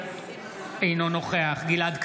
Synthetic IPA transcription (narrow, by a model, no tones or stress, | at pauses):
ejnonoχeaχɡilad̪k